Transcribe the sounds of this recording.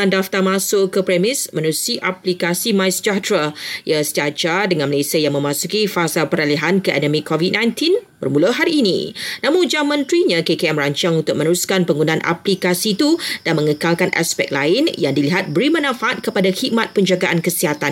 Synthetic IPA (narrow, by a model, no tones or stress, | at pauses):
andaft̪armãsʊkəpɾemɪsmə̃nɾusiʔaplikasimãjst͡ʃat̪ɾəjasəd͡ʒad͡ʒadəŋanməlesiəjaŋmə̃mãsukifasalpəɾaliɦankəʔɛ̰ndəmĩkɔvit̚nãjnt̪inbə̰rmuləɦaɾiːnḭnãmũd͡ʒamə̃nt̪ɾiɲãkekeɛmraɲt͡ʃaŋunt̪ʊk̚mənəɾuskanpəŋɡunãnʔa̰plikasit̪udanmə̃ŋəkalkanʔa̰spɛ̰k̚laɪnjaŋdiliɦat̪̚bəɾimənãfaʔat̪̚kəpadaxit̪̚mat̪̚pəɲd͡ʒaɡaʔankəsiɦat̪an